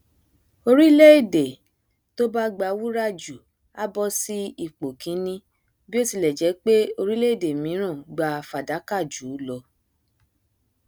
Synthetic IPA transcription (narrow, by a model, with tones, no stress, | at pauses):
o˧ɾi˦le˦i˦˨de˨ | to˦ba˦ɡ͡ba˧wu˦ɾa˦˨d͡ʒu˨ | a˦bɔ˦si˦i˦˨k͡po˨kʰĩ˨˦nĩ˦ | bi˦o˦˨ti˧lɛ˨d͡ʒɛ˨˦k͡pe˦o˧ɾi˦le˦i˦˨de˨mĩ˨˦ɾ̃ã˦˨ɡ͡ba˧fa˨da˨˦ka˦˨d͡ʒuː˨˦lɔ˧